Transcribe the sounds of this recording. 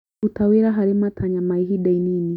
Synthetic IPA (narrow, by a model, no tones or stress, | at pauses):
utawiɾaɦaɾimatʰaɲamaiɦiɗainini